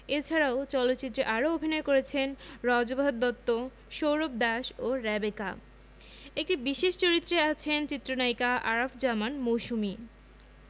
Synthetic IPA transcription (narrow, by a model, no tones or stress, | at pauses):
et͡ɕʰaɾaot͡ɕɔlot̪ːt͡ɕit̪ːɾeʔaɾoobʱinɔekoɾet͡ɕʰenɾɔd͡ʑobʱod̪ːɔt̪ːo | ʃowɾop̚d̪aʃoɾɛbeka | ek̚ʈibiʃeʃt͡ɕoɾit̪ːɾeat͡ɕʰent͡ɕit̪ːɾonajkaʔaɾafd͡ʑamanmowʃumi